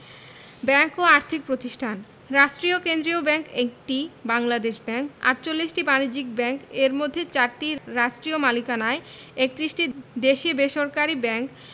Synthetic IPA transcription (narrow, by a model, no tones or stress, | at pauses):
bɛŋkoaɾt̪ʰik̚pɾot̪iʃʈʰan | ɾaʃʈɾiokend̪ɾiobɛŋkek̚ʈibaŋlad̪eʃbɛŋka̰ɾt͡ɕolːiʃʈibanid͡ʑikbɛŋkeɾmod̪ʱːet͡ɕaɾʈiɾaʃʈɾiomalikanae | ek̚t̪ɾisʈid̪eʃibeʃoɾkaɾibɛŋk